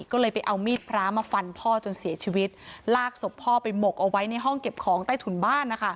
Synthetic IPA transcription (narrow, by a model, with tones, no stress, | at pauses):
kɔː˥˩lɤː˧jpa˧jʔa˧wmiː˥˩t̪̚pʰɾaː˦˥maː˧fa˧npʰɔː˥˩t͡ɕo˧nsi˩˦ɐt͡ɕʰiː˧wi˦˥t̪̚laː˥˩k̚so˨˩pʰɔː˥˩pa˧jmo˨˩k̚ʔa˧wa˦˥jna˧jɦɔ˥˩ŋke˨˩p̚kʰɔː˩˦ŋt̪aː˥˩jt̪ʰu˩˦nbaː˥˩nːa˦˥kʰa˦˥˩